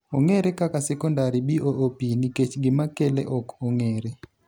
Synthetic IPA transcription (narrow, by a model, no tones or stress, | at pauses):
ɔŋɛɾɛkʼakʼasɛkʼɔndaɾiɓiʔoʔopʼinikʼet͡ʃʰiɡimakʼɛlɛ̰ʔɔkʰʼɔɔŋɛːɾɛ